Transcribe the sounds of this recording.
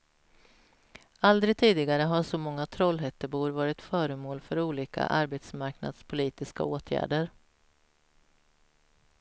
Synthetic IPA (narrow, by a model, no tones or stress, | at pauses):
ald̪ɾɪɡ̚t̪ʰiːd̪ɪɡaɾəɦaʂɔmɔŋːat̪ʰɾɔlɦɛt̪ːəbuːɾvɑːɾɪt̪fœːɾəmoːlfœɾuːliːkʰa̰ʔaɾbet̪smaɾkna̰d̪spʰʊliːt̪ɪska̰oːt̪ʰjæ̰ːɖəɾ